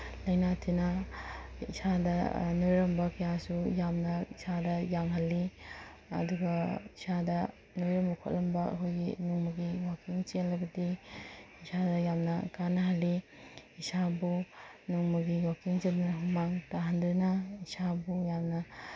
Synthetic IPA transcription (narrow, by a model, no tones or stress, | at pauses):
lɐjnatʰinɐ | isadɐnojɾɐmbɐkɐjasujamnɐisadɐjaŋɦɐlːi | ɐ̰duɡɐisadɐ | nojɾɐmbɐkʰo̰t̚lɐmbɐɐ̰kʰojɡinuŋmuɡiwakiŋt͡ʃenlɐbɐdi | isadɐjamnɐkanɐɦɐlːiisabunuŋmuɡiwakiŋt͡ʃet̚nɐɦumaŋtaɦandɾinɐisabujamnɐ